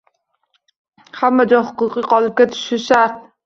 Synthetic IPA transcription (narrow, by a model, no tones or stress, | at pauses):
hamːad͡ʒɒhʊ̥qʊqɨqʰɒlˠɨp̚kʲat̪ʰʊ̥ʃɪʃaɾt̪̚